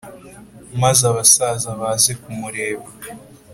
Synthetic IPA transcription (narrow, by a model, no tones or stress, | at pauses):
mazaβasazaβaːzekumuɾe̞ːβa